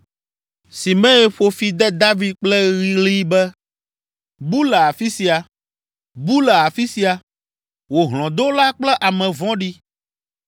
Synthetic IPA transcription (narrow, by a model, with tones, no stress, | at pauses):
si˨mɛ̃˦e˦ɸo˨fi˨d̪ɛ˦d̪a˦vi˦d̪̚k͡plɛ˦ɣi˨˦li˦bɛ˦ | bu˦lɛ˨a˨fi˦si˨a˨ | bu˦lɛ˨a˨fi˦si˨a˨ | wo˨ɦl̃ɔ̃˨d̪o˦la˦k͡plɛ˦ʔa˨mɛ̃˨vɔ̃˦ɖi˦